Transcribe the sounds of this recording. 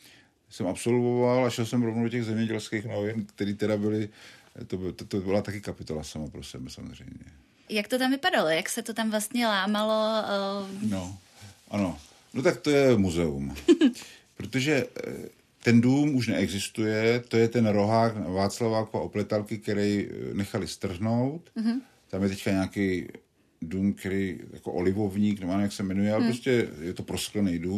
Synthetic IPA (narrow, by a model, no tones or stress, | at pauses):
sɛmapso̞lvovalaʃɛlsɛmvɾovnowcɛɣzɛmɲɛɟɛlskeːxnovɪnkt̪ɛɾiːt̪ɛdabɪlɪ | t̪obɪt̪ot̪obɪlat̪akɪkapɪt̪o̞lasamapɾo̞sɛbɛsa̰mozr̝ɛ̰jmɲɛ̰ | jakt̪ot̪amvɪpadalojaksɛt̪ot̪amvlast̪ɲɛlaːmalo | no | ʔano̞ | not̪ak̚t̪o̞jɛmuzɛum | pɾot̪oʒɛ | t̪ɛnduːmuʃnɛɛɡzɪst̪ujɛt̪o̞jɛt̪ɛnɾo̞ɦaːknavaːt͡slavakoa̰ʔoplɛt̪alkɪk̪ɛɾɛjnɛxalɪst̪r̩ɦno̞wt̪ | t̪amjɛt̪ɛckaɲaːkɛj | duːmkɛɾɛjja̰koʔolɪvovɲiːknɛboʔanojaksɛmɛnujɛalɛpɾoscɛjɛt̪o̞pɾosklɛnɛjduːm